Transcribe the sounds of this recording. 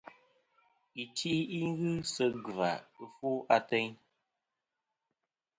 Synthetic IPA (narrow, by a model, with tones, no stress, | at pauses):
i˨ti˦i˦ŋ˦ɣɨ˦sə˦ɡɨ˨va̰˨ɨ˨fu˦ʔa˨tɛ˦ɲ